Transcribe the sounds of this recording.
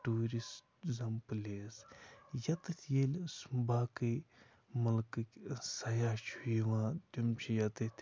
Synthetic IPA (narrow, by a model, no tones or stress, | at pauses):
ʈuːɾis | zɐmpɨleːsjɐt̪ɨt̪ʲʰjeːlsmbaːkɨ | mɐlkɨkʲsɐjaːt͡ʃʰujiʋãːt̪umt͡ʃʰijɐt̪ɨt̪ʲʰ